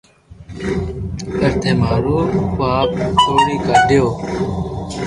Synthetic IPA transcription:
əɾt̪ʰeːmaːɾoːwaːb̚tʰoːɾiːkaːɖɪjoː

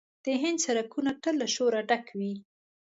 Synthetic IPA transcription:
d̪̥əɦɪnd̪saɾakunaʈəlːaʃoɾaɖakʰwi

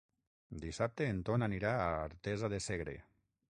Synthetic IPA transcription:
d̪isap̚t̪eːnt̪onaniɾaːaɾt̪ezaðeseɣɾḛ

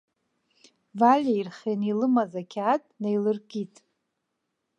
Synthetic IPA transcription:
valʲairχʲenilɨmazakʲʰatʼnejlɨrkʼitʼ

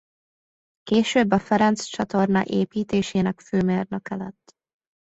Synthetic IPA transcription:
keːʃøːbːɒfɛɾɛnt̪st͡ʃɒt̪o̞rnɒ̰ʔeːpiːt̪eːʃeːnɛkføːmeːrnɒkɛlɛt̪ː

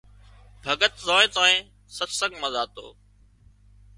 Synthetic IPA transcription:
bʱəɡət̪zoːet̪ãːẽː | sət̪səɡməzaːt̪o̰ː

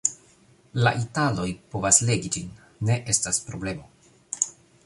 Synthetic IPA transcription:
la̰ʔitalo̞jpo̞vasle̞ɡid͡ʒinː | e̞ʔe̞staspɾo̞ble̞mo̞

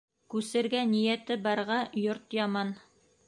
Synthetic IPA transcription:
kʉsɘ̆ɾɡænijæt̪ɘbɑɾʁɑjoɾt̪jɑmɑn

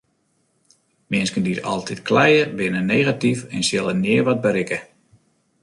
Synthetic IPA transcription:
mɪənskəndiɾɔ̰lˠtʰitkʰlɛjəbɪnəneːɣatifɛnsjɪlˠənɪərʋɔd̚bəɾɪkə

